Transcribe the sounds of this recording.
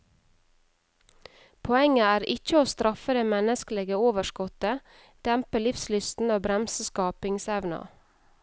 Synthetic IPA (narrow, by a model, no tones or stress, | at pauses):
pʰɔɛŋəæːɾɪ̰c͡çəoːst̪ɾʔɑfəd̪eːmɛnəskəlɛɡəoːʋəʃkɔt̪ə | d̪̥ɛmpəlɪfslʏst̪n̩oːbɾɛmsəskɑːpɪŋsɛʋnɑ̰